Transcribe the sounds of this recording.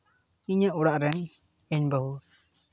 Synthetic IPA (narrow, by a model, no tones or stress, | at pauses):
iɲaʔuɽaʔɾɛn | ɛɲbəɦu